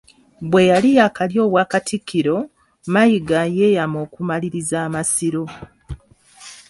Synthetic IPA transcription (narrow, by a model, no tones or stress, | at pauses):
βwe̞jalijakaljo̞ːβwaːkatʰikːiɾo̞ | majiɡajejamo̞ːkumaliɾizaːmasiɾo̞